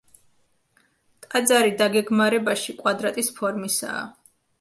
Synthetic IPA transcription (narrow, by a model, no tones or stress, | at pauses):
t̪ʼad̪zaɾid̪aɡɛɡmaɾɛbaʃikʼwad̪ɾat̪ʼispʰɔɾmisa̰ː